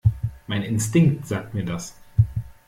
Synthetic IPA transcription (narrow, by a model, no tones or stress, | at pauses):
maɪnɪnstɪŋktz̥aːk̚tmiːɐdas